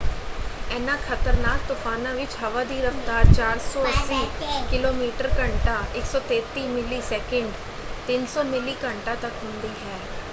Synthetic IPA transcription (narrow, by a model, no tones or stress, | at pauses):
ɛːnãːkʰət̪əɾnaːk̚t̪ːʊfʰaːnãːʋɪt͡ʃɦəʋaːd̪iːɾəft̪aːɾt͡ʃaːɾsɔːəsiːkɪloːmiːʈəɾkəɳʈaːʔɪksɔːt̪eːt̪iːmɪliːsɛːkə̃ɳɖ | t̪ɪnsɔːmɪliːkəɳʈaːt̪əkɦʊ̃nd̪iːɦɛː